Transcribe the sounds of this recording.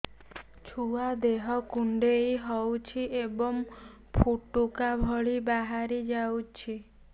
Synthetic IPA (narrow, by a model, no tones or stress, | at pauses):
t͡ʃʰuad̪eɦɔkuɳɖejɦɔwt͡ʃʰiʔebɔŋ | pʰuʈːukabʱɔɭibaɦaɾid͡ʒawt͡ʃʰi